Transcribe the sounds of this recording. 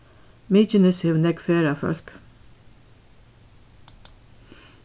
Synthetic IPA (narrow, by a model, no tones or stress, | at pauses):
miːt͡ʃɪnɪshɛʋnɛkfeːɾafœ̰l̥k